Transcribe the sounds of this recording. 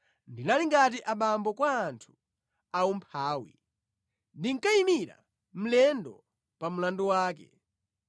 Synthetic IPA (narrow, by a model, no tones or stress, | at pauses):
ndinaliŋɡat̬iʔaɓambɔkwaːntʰu̥ | aumpʰaːwḭ | ndiŋ̩kaimiɾa̰ | m̩lɛndɔ̰ | pam̩landɔwaːkɛ̰